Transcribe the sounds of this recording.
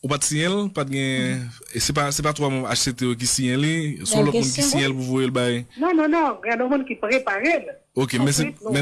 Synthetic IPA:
upat̪sĩjɛ̃lpat̪̚ɡɛ̃ | sɛp̬asɛp̬at̪wamũa̰ʃset̪eok̬isĩjɛ̃lisɔ̃lɔt̚mũnk̬isĩjɛ̃lpuvojelbajnɔ̃nɔ̃nɔ̃alɔmũnkipʁepaʁel | okemɛ̃s̬emɛ̃

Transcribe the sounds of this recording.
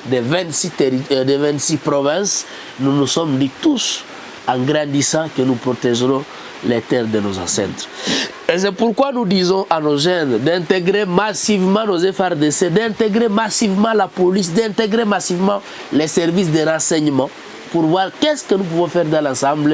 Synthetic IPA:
d̪evɛ̃nt̪sit̪eɾid̪evɛ̃nt̪sipɾɔvɛ̃s | nunusɔmd̪it̪us | ãɡɾãnd̪isãkənupɾot̪ɛʒɾɔ̃ | let̪ɛɾd̪enozã̰sɛ̰̃nt̪ɾ | es̬ɛpuɾkwanud̪izɔ̃ʔanoʒɛnd̪ɛ̃nt̪eɡɾemasivmãnozefaɾd̪esed̪ɛ̃nt̪eɡɾemasivmãlapolisd̪ɛ̃nt̪eɡɾemasivmã | lesɛɾvis̬d̪eɾãsɛɲmã | puɾvwaɾkɛskənup̬uvɔ̃fɛɾd̪ãlãsãmblə

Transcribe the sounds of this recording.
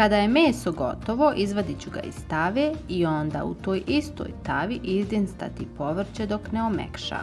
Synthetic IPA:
kad̪aje̞meːso̞ɡo̞̰t̪o̞ʋo̞ʔizʋad̪it͡ɕuɡa̰ḭst̪aʋeio̞nd̪a̰ṵt̪o̞ːjist̪o̰ːjt̪aʋiʔizd̪inst̪a̰t̪ipo̞ʋr̩t͡ɕed̪o̞kneomḛkʃa̰

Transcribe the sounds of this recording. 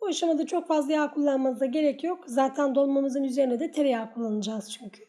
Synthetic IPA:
buaʃamad̪at͡ʃʰo̞kfazlˠajaːkʰulˠːanmasd̪aɟe̞ɾɛcjo̞kzaːt̪ʰænd̪o̞lˠmamɯzɯnyze̞ɾinɛd̪ɛt̪ʰeɾejaːkʰulˠːanɯd͡ʒaːz̥t͡ʃʰyɲcʰy̥

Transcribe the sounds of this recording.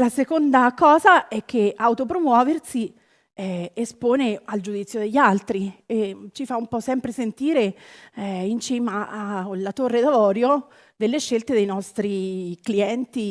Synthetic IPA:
lasekond̪akɔːzaʔɛk̟ːeawt̪opɾomwɔːversi | ɛespoːneald͡ʒud̪it̪sːjod̪eʎːalt̪ɾiet͡ʃifaumpɔsɛmpɾesent̪iːɾe | int͡ʃiːmaalat̪orːed̪avɔːɾjo | d̪elːeʃːelt̪ed̪ejnɔst̪ɾikliɛnt̪i

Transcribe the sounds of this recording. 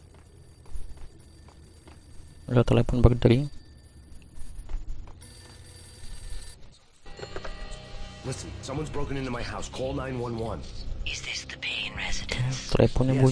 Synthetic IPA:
lat̪əlɛpɔnbəkədəɾi | lɪsɨ̃n̩sʌ̃mwʌ̃nzbɹoʊkɨ̃nɪ̃ntumaɪɦaʊskʰɔlˠnãɪ̃nwʌ̃nwʌ̃nɪzðɪsðɨpʰẽnɹɛzɨdɨ̃nt̪əlʔɛ̰pɔnbu

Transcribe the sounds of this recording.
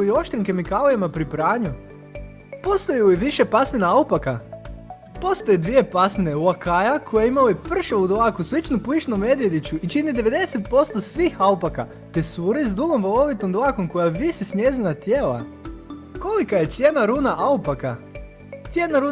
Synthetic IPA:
io̞ʃt̪ɾiŋkemikalojemapɾipɾaːɲu | po̞st̪ojuiʋiʃe̞pasminaaupaka | po̞st̪ojed̪ʋije̞pasmineuakajakʰojeimalojepr̩ʃaud̪akusʋit͡ʃnupit͡ʃnume̞d̪ʋje̞d̪it͡ɕuit͡ʃinid̪eʋe̞d̪e̞set̪̚po̞st̪o̞sʋiːxaupaka̰ | t̪e̞suːɾizd̪uɡomʋolo̞ʋit̪omd̪oakomko̞jaʋisisnʲjezinat̪jeːla̰ | ko̞likaje̞t̪sʲjeːnaɾuːnaʔaupaka | t̪sʲje̞naɾu

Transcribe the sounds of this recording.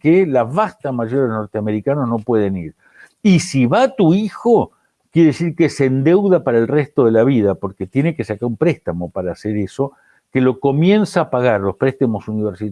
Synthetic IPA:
kelaβast̪amaʒoɾelono̞ɾt̪eame̞ɾikanozno̞pwe̞ð̞eniɾ | isiβat̪uixo | kjeɾeðes̬iɾkesend̪ewðapaɾaelrest̪o̞ðelaβið̞apo̞ɾket̪je̞neke̞sakaɾumpɾest̪amo̞paɾaːseɾeso̞ | kelo̞ko̞mje̞nsaːpaɣaɾlo̞spɾeht̪amo̞suniβeɾsi

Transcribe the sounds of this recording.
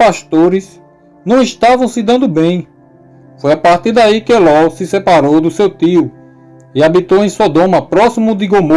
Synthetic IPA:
paʃt̪oɾɪs | nɐ̃w̃iʃt̪avɐ̃w̃sɪd̪ɐ̃nd̪ʊbẽj̃ | fojapaht̪iɾd̪aikɪelɔsɪsɛpaɾowd̪ʊsewt̪iʊ | iabit̪owẽj̃sod̪õmɐpɾɔsimʊd̪ɪɡomo

